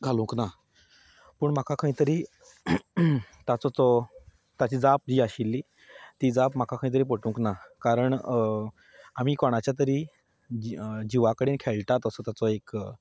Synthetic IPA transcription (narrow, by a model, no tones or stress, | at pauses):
ɡʱalũŋkna | pəːɳm̤akʰakʰaɦĩt̪əɾiː | t̪at͡sɔt͡sɔ | t̪at͡ɕiːd͡zap̚d͡ʑiːaɕilːiː | t̪iːd͡zapm̤akʰakʰaĩt̪̬əɾiːp̬əʈũŋknakaɾəɳ | am̤iːkɔɽ̃at͡ɕjat̪̬əɾiː | d͡ʑiʋakəɽiːnkʰeɭʈat̪əsɔt̪jat͡sɔek